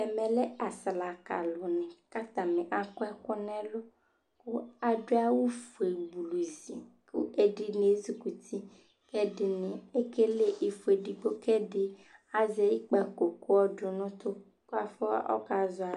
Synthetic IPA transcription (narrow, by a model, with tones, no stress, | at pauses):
ɛ˨mẽ˨le˦a˨sla˨ka̰˨lo˨nɛ̃˨ka˦t̪ã˨mẽ˨ʔa˨kɔ˦ɛ˦kɔ˦nɛ̃˦lo˦ | ku˦a˨ɖo˦a˦wu˦fu˨e˨bu˨lu˨zḭ˨kṵ˦ʔe˨ɖi˨nẽ˨˦zi˦ku˨t̪i˦ | ke˦ɖɪ˨nẽ˨e˦ke˦le˦ʔe˨fu˨e˨ɖi˨ɡ͡bo˦kɛ˦ɖe˦a˨ze˨ji˦k͡pɛ˨ko˨ko˦ɔ˦ɖo˨nɔ̃˦t̪o˦ | ku˦a˦fɔ˦a̰˦ʔɔ̰˦ka˦zɔ˦a˨